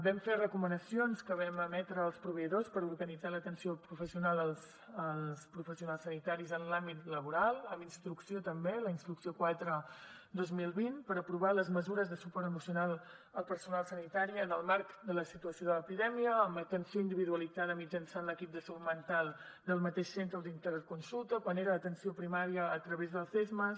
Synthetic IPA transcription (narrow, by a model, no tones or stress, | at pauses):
bɛmferəkumənəsionskəβɛməmɛt̪ɾəːlˠspɾuβəiðospəɾuɾɣənid͡zalət̪ənsiopɾufəsiunalˠəlˠs | əlˠspɾufəsiunalˠsːənit̪aɾizənlambit̪ləβuɾalˠəminst̪ɾuksiot̪əmbeləinst̪ɾuksiokwat̪ɾəd̪ozmilˠβinpəɾəpɾuβaləzməzuɾəzðəsupɔɾt̪əmusiunalˠ | əlˠpəɾsunalˠsənit̪aɾiəːnəlˠmaɾkd̪ələsit̪uəsioðələpiðɛmiəːmət̪ənsioind̪iβiðuəlidd͡zaðəmid͡ʒənsanləkip̚d̪əsəumənt̪alˠ | d̪əlˠmət̪eʃsent̪ɾəud̪int̪əɾət̪̚kunsulˠt̪əkwaneɾəːt̪ənsiopɾimaɾiəːt̪ɾəβezðəlˠθezmə